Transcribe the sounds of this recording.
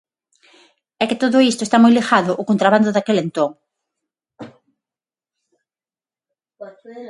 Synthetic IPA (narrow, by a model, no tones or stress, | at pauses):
ɛkɪt̪oðʊist̪ʊest̪amojlixaðʊʔʊkont̪ɾaβand̪ʊðakelent̪oŋ